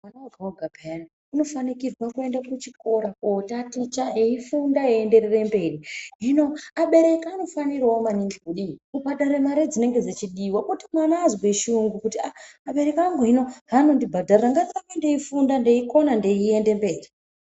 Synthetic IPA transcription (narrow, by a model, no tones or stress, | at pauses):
mwanawaɡʱawoɡʱabʱajana | ino̞fanikirwakue̞ndakut͡ʃiko̞ɾakotatit͡ʃaeifundaeende̞ɾere̞mbe̞riɦino̞aɓe̞ɾe̞kaːno̞fanirwaomaniŋɡikuɗiubʱaɗaɾemaɾed͡zine̞ŋɡe̞d͡zat͡ʃiɗiwakotimwanaːzweʃuŋɡukutiaːɓe̞ɾe̞kaŋɡoɦino̞ɦano̞ndibʱadʱarraŋɡatakendeifundande̞iko̞nande̞iendembe̞ːri